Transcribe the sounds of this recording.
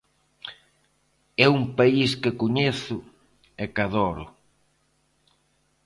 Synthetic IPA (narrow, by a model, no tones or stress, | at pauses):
ɛumpaiskekoɲeθʊ | ekaðɔɾʊ